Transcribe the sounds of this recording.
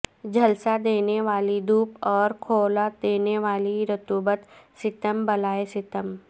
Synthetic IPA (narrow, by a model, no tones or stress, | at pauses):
d͡ʒʱɐlsad̪eːneʋaːlid̪uːpɔːɾkʰoːlad̪eːneʋaːliɾət̪uːbət̪sɪt̪əmbɐlaːesɪt̪əm